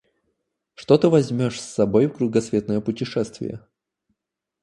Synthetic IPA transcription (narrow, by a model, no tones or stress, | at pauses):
ʂt̪ot̪ɨvɐzʲmʲo̞ʂsːɐbo̞jfkɾʊɡɐsvʲe̞t̪nəjəpʊtʲɪʂɛst̪vʲɪ̰jə̰